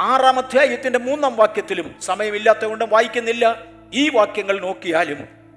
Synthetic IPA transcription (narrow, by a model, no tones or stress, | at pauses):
aːraːmɐd̪ʱjaːjɐt̪ːinde̞muːnːaːmʋaːkjɐt̪ːilumsɐmɐjɐmilːaːt̪ːɐɣoɳɖumʋaːjikʲːunːilːɐ | iːʋaːkjɐŋːɐɭno̞ːkːijaːlum